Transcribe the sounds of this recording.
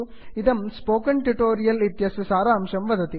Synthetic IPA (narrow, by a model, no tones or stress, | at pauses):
ɪðɐmspoːkɐɳʈuʈoːɾɪjɐlɪt̪jɐsɯsaːɾaːmʂɐmʋɐðɐt̪i